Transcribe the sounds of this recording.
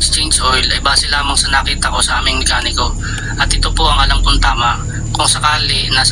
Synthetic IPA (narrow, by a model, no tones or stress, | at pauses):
st͡ʃɛnsojlɐjbaːsɪlaːmɐŋsɐnakiːt̪ɐko̞sɐʔaːmɪŋmɪkaːnɪko̞ | ʔɐt̪ʔɪt̪opoʔɐŋɐlɐmkʊnt̪aːmɐʔ | kʊŋsɐkaːlɪnaːs